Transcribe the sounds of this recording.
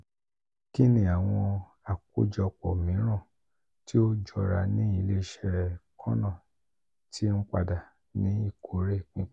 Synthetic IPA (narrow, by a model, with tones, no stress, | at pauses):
ki˦nĩ˨a˨w̃ɔ̃˧ | a˨ku˦d͡ʒɔ˧k͡pɔ˨mĩ˨˦ɾ̃ã˦˨ | ti˦o˦d͡ʒɔ˧˨ɾa˧nĩ˨˦i˧˦le˦ʃɛ˧ɾɛ˨kʰɔ̃˦nã˦˨ | tʰi˦n̩˦k͡pa̰˧da˨ | nĩ˨˦i˦˨kʰo˨˦ɾe˦˨k͡pĩ˨˦